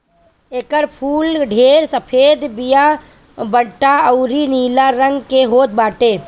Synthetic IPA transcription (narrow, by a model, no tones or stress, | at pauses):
eːkəɾpʰuːlɖʱeːɾsəpʰeːd̪bɪja | bəɽʈaəʊɾiniːlaɾə̃ŋɡkeɦoːt̪̚baːʈeː